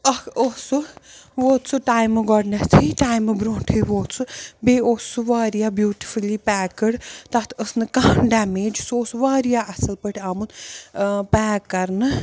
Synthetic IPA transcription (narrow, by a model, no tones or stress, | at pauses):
ɐkʰosuʋoːt̪t͡sʰuʈaːjmɨɡɔɽnat͡s̪ʰiiʈaːjmɨbɾoːɳʈʰɨjʋoːt͡sʰubeːoːsuʋaːɾijabjuːʈi̥fʰulipaːkəɽt̪at̪ʰəsnɨkɐɦɐnɖaːmeːd͡ʒsoːsuʋaːɾijaʔɐsɐlpəʈʰaːmun | paːkːɐɾnɨ